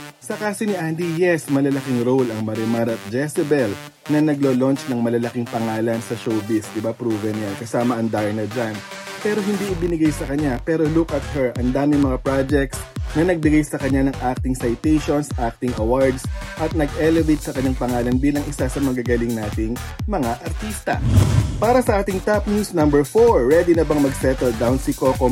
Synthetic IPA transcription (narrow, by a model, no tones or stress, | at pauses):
sɐkaːsonɪʔand̪ijɛsmɐlɐlɐkiŋɾowlɐŋmɐɾɪmaɾɐt̪̚d͡ʒɛsɛbɛl | nɐnɐɡloːlont͡ʃnɐŋmɐlɐlɐkɪŋpɐŋaːlɐnsɐʃowbɪsd̪ɪbapɾuːvɐnjankɐsaːmɐʔɐŋd̪ajɐnɐd͡ʒanpɛːɾo̞ɦɪnd̪iʔɪbɪnɪɡajsɐkɐɲapɛːɾo̞lukʔɐt̪̚hɛɹʔɐŋd̪aːmɪŋmɐŋapɾad͡ʒɛk̚t̪snɐnɐɡ̚bɪɡajsɐkɐɲːanɐŋʔak̚t̪ɪŋsɐjt̪ejʃonsʔak̚t̪ɪŋɐwaɹd̪sʔɐt̪̚nɐɡʔɛlɛvejt̪̚sɐkɐɲːaŋpɐŋaːlɐnbiːlɐŋʔɪsasɐmɐɡɐɡɐlɪŋnaːt̪ɪŋmɐŋaʔɐɾt̪ist̪ɐ̰paːɾɐsɐʔaːt̪ɪŋt̪ap̚nuːsnɐ̃mbɛɹfoɹːɛd̪inɐbɐŋmɐɡsɛt̪ɛld̪awnsɪkoko